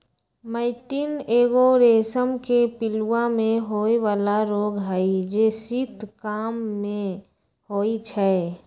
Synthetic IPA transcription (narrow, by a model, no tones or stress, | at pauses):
maɪʈiːneːɡoɾeːsəmkepɪluwamẽɦoːiʋaːlaɾoːɡɦaid͡ʒesit̪kaːmːẽ | hoːit͡ʃʰɛ